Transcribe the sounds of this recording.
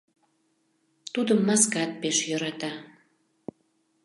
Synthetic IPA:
t̪ud̪əmːɑskɑt̪̚peʃjøɾɑt̪ɑ

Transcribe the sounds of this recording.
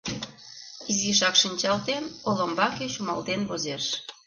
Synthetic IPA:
iziʃɑkʃinʲt͡ɕɑlt̪enolombɑkeɕumɑ̰lt̪enβozeʃ

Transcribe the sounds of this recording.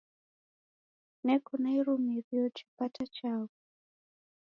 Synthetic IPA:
nɛkɔnaiɾumiɾiɔt͡ʃi̥patʰat͡ʃavu

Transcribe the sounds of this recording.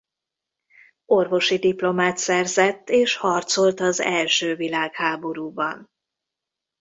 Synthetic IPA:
o̞rvo̞ʃid̪iplo̞maːt̪sɛrzɛt̪ːeːʃhɒrt̪so̞lt̪ɒzɛlʃøːvilaːkhaːbo̞ɾuːbɒ̰n

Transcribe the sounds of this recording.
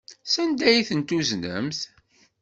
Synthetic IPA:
sænd̪æjiθənt̪uznə̰mθ

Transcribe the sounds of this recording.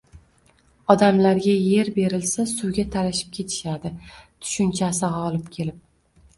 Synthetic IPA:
ɒd̪amlaɾɡʲaje̞ɾbe̞ɾɪlsasʊwɡʲat̪ʰalaʃɪ̥p̚kʲʰe̞t̪ʰɪ̥ʃad̪ɪt̪ʰʊ̥ʃʊnt͡ʃʰasɪʁɒlˠɪp̚kʲʰe̞lɪp̚

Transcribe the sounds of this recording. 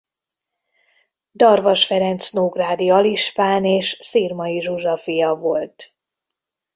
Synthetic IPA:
d̪ɒrvɒʃfɛɾɛnt̪snoːɡraːd̪iɒliʃpaːneːʃsiːrmɒiʒuʒɒfijɒvo̞lt̪

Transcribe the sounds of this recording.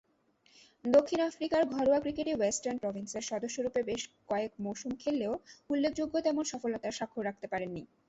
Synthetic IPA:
d̪okʰːinafɾikaɾɡʱɔɾoakɾikeʈewesʈaɾnpɾɔbʱinseɾʃɔd̪oʃːoɾupebeʃkɔekmowʃumkʰelːeoulːek̚ʰd͡ʑoɡːot̪ɛmonʃɔfolːot̪aɾʃakʰːoɾak̚ʰt̪epaɾenːi

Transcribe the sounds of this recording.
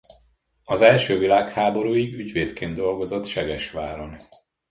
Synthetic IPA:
ɒzɛlʃøːvilaːkhaːbo̞ɾuːiɡyɟʋeːt̪keːnd̪d̪o̞lɡo̞zo̞t̪ʃɛɡɛʃʋaːɾo̞n

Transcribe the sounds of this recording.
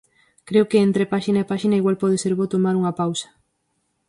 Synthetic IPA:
kɾewkeent̪ɾepaʃinaepaʃinaiɣwalpɔð̞eseɾβot̪omaɾuŋɐpawsɐ̥

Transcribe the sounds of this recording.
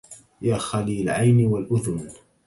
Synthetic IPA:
jaːxaliːlʕajnwalʔʊðʊn

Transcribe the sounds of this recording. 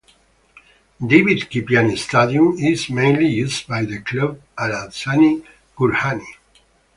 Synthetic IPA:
d̪evid̪kipjanist̪ad̪iũmizmẽj̃nlijuzbajðəkʰlob̚alasani | kuɾhani

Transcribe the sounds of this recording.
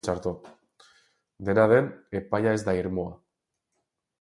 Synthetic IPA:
t͡ʃaɾt̪o | d̪e̞naðe̞ne̞pajae̞zd̪aiɾmoa

